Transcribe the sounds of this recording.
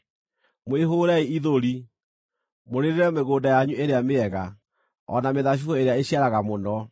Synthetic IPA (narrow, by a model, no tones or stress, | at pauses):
mweɦoɾaiiðoɾi | moɾeɾeɾɛmeɣoːdajaɲuʔeɾeameɛɣa | ɔ̰nameðaɕ̬uɔeɾeaeɕiaɾaɣamonɔ